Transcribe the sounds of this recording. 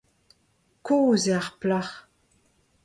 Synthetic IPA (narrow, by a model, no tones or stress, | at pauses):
kʰoːzaʁplaχ